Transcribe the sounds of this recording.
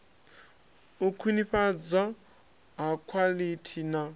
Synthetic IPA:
ukʰwiniɸad͡za | ɦakʰwalitʰina

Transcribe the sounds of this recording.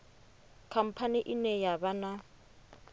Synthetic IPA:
kʰam̩pʰaniʔɪnɛjabana

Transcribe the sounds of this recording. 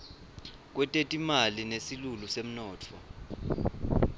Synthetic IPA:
k̬wɛtʼetʼimalinesilulusem̩nɔːt͡fʰɔ

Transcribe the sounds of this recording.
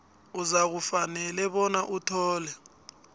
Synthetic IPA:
uzak̬ufanɛlɛɓɔnaʔutʰɔːlɛ

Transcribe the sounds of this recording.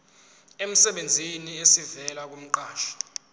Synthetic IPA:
em̩sɛɓend͡zʱiniesivɛlak̬um̩ǃaːʃɔ̥

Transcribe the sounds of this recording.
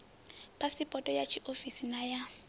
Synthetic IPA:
pʼasipʼɔtʼɔjat͡ʃʰiʔofisinaja

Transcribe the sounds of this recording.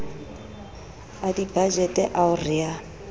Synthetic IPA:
adibad͡ʒɛtʼɛʔaʊrɪa

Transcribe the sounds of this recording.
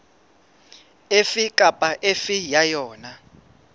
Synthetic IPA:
efikʼapʼaʔefijajɔːna

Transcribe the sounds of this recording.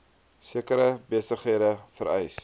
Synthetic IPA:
siəkəɾəbiəsəχɦiədəfəɾɛ̰js

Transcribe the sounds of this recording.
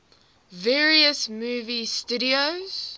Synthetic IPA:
vɛːɹiəsmuːvistuɾioz̥

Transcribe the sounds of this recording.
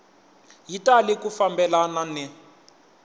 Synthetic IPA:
jitalikufambɛlananɛ

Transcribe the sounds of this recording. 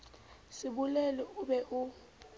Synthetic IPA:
sɪbʊlɛlɔʊbɛʔʊ

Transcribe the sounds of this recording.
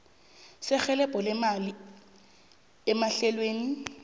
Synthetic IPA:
sɪk͡xʰɛlɛpʼɔlɪmalɪ | ɛmaɬɛlweːni

